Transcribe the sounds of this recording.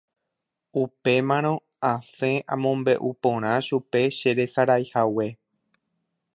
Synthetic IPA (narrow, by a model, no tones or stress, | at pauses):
upe̞mãɾ̃õ̞ | ãsẽ̞ʔãmõ̞mbe̞ʔupõɾ̃ãʃupe̞ʃe̞ɾe̞saɾajhawe̞